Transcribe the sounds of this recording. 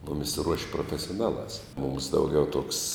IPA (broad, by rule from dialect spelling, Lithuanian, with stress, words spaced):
ˈmʊmʲɪs ruɔʃʲ proːfʲɛsʲoːˈnɑːˌlˠɑːs mʊms ˈdɐʊˌɡʲɛʊ tuɔks